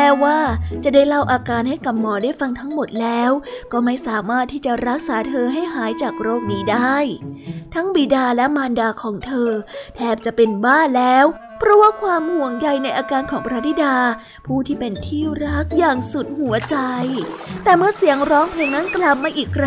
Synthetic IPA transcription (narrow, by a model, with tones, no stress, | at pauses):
mɛː˨˦˥waː˥˩t͡ɕa˨˩da˥˩jla˥˩wʔaː˧kaː˧nha˥˩jka˨˩mːɔː˧˩daː˥˩jfa˧ŋt̪ʰa˦˥ŋmo˨˩t̪̚lɛː˦˥wkɔː˥˩ma˥˩jsaː˩˦maː˥˩t̪ʰːiː˥˩t͡ɕa˨˩ɾa˦˥k̚saː˩˦t̪ʰɤː˧ɦa˥˩jɦaː˩˦jt͡ɕaː˨˩k̚ɾoː˥˩k̚niː˦˥daː˥˩jt̪ʰa˦˥ŋbiː˨˩daː˧lɛ˦˥maː˧ndaː˧kʰɔː˩˦ŋt̪ʰɤː˧t̪ʰɛː˥˩p̚t͡ɕa˨˩pe˧nbaː˥˩lɛː˦˥w | pʰɾɔ˦˥waː˥˩kʰwaː˧mhu˨˩əŋja˨˩jna˧jʔaː˧kaː˧nkʰɔː˩˦ŋpɾaː˦˥d̪i˧˥daː˧ | pʰuː˥˩t̪ʰiː˥˩pe˧nt̪ʰiː˥˩ɾa˦˥k̚jaː˨˩ŋsu˨˩t̪̚hu˨˩˦ɐt͡ɕa˧jt̪ɛː˨˩mɯ˥˩ɐsi˩˦əŋɾɔː˦˥ŋpʰleː˧ŋna˦˥nkla˨˩p̚maː˧ʔiː˨˩k̚ɾa˦